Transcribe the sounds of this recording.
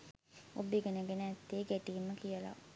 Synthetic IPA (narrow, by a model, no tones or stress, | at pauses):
o̰biɡenəɡenəæt̪ːeːɡeʈiːmːəkijəla̰